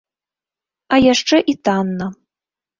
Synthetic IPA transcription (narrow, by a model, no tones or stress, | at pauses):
ajaʂt͡ʂɛʔit̪anːɐ